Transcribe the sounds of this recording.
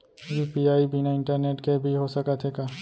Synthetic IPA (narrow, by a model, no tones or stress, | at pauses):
juːpiaːibʱinaɪ̃ɳʈəɾneːʈkebʱiɦosɐkat̪ʰɦeːkaː